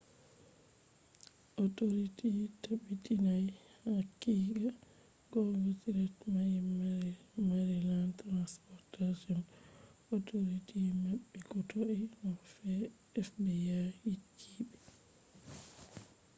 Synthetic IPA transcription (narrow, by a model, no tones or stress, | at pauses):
ʔɔtoɾititaɓitinajhakːiːɡa | ɡɔɡotiɾatmaji | maɾɛlantɾanspɔɾtad͡ʒɔnɔtoɾitimaɓːikɔtoʔɛnɔfɛ | ɛfbɛjahit͡ʃʰːiɓɛ